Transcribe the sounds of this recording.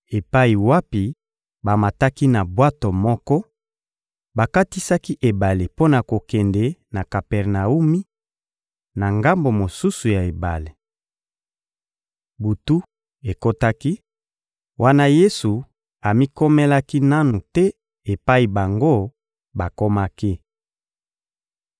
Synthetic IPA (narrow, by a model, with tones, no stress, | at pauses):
e˨pa˦i˨wa˦pi˨ | ba˨ma˨ta˦ki˦na˨bwa˦to˨mɔ˦kɔ˦ | ba˨ka˦ti˦sa˦ki˦ʔe˨ba˨le˨po˦na˨ko˨kɛ˨ndɛ˨na˨ka˨pɛ˨ʁna˨u˦mi˦ | na˨ŋɡa˦mbo˨mo˨su˦su˨ja˨e˨ba̰˨le˨ | bu˨tu˦ | e˨ko˦ta˦ki˦ | wʔa˦na˦je˦su˨ | a˨mi˦ko˦me˦la˦ki˦na˦nu˨tɛ˦ | e˨pa˦i˨ba˨ŋɡo˦ | ba˨ko˦ma˦ki˦